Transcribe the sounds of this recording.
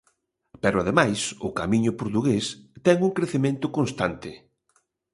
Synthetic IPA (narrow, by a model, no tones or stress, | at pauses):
pɛɾʊaðemajsʊkamiɲʊpoɾt̪uɣest̪ɛŋuŋkɾeθemẽnt̪ʊkonst̪ant̪ɪ